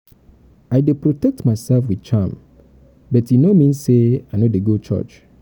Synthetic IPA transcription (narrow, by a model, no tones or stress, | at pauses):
aɪdepʰɾotɛk̚tmaɪsɛlfwidt͡ʃʰam | bɛtjinomĩnseaɪnodeɡot͡ʃʰɔ̰t͡ʃ